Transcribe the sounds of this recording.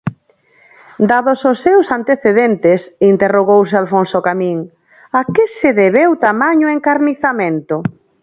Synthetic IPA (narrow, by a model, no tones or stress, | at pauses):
d̪aðʊsosːewsant̪eθeðent̪ɪsint̪eroɣ̞ows̬ɪalfonsokamĩŋ | akɪseðeβewt̪amaɲoeŋkaɾniθamẽnt̪ʊ